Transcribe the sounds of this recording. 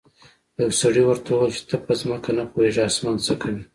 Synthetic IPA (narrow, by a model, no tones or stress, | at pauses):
awsaɽiwəɾt̪awelt͡ʃɪ̥t̪ʰəpəzməkanapoweʐɑsmant͡səkʰawi